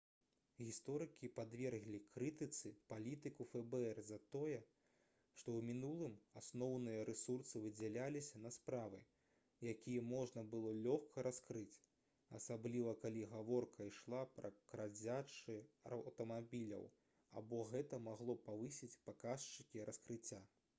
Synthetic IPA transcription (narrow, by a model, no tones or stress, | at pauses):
ɣʲist̪ɔɾɨkʲipad̪vʲɛrɣlʲikɾɨt̪ɨt̪sɨpalʲit̪ɨkufɛbɛɛrzɐt̪ɔjɛ | ʂt̪ɔwmʲinulˠɨmasnɔwnɨjɐɾɛsursɨvɨd͡zʲɛlʲalʲisʲɐnɐspɾavɨ | jakʲijɛmɔʐnɐbɨlˠɔlʲɔxkʰɐɾaskɾɨt͡sʲ | a̰sablʲivɐkalʲiɣavɔrkʰɐiʂlˠapɾɐkɾad͡zʲat͡ʂɨɐ̰wt̪ɐmabʲilʲɐ̰w | a̰bɔɣɛt̪ɐmaɣlˠɔpavɨsʲit͡sʲpakaʂt͡ʂɨkʲiɾɐskɾɨt͡sʲːa